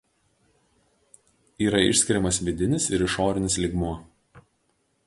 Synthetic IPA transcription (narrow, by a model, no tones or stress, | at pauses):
iːɾɐɪ̰ʃʲsʲkʲɪɾʲɛmɐsʋʲɪd̪ʲɪnʲɪsɪɾɪʃoːɾʲɪnʲɪslʲiːɡmuɔ